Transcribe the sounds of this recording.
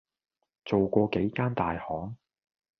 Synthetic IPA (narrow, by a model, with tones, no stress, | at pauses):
t͡so˨wkʷɔː˧ke˨˥jkaː˥nt̪aː˨jhɔː˨˥ŋ